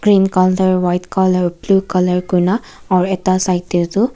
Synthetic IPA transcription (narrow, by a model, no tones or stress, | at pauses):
ɡ̥ɾiːnkaːlʈɐɾʋɐjʈkaːlɐɾbluːkɐlɐɾɡuna | aɾet̪ːasajt̪iɾt̪u